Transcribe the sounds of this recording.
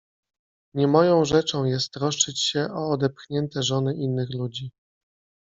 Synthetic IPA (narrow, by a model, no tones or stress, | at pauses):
ɲɛmɔjɔ̃w̃ʐɛt͡ʂɔ̃w̃jɛst̪ːɾɔʂt͡ʂɘt͡ɕɕɛʔɔːd̪ɛpxɲɛnt̪ɛʐɔnɘʔinːɘxlud͡ʑi